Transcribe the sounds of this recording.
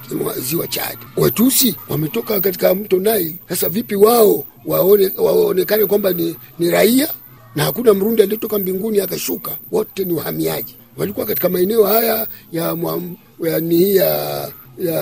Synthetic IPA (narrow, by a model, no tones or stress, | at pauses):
wa̰ziwat͡ʃa̰ɗiwɛtusiwa̰mɛtɔkakati̥kam̩tɔnaisasavipiwaɔ | wawaɔnɛkanɛkwambani | niɾaia | nahakunam̩ɾundialiɔtɔkambiŋɡuniakaʃukawɔtɛniuha̰mia̰ʄi | walikuwakati̥kamaɛnɛɔhaja | jamwa | janihija | ja